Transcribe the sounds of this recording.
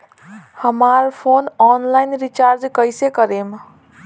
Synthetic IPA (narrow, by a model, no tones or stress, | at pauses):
həmaɾpʰonɔnlajnɾit͡ʃaɾd͡ʒkəɪsekəɾem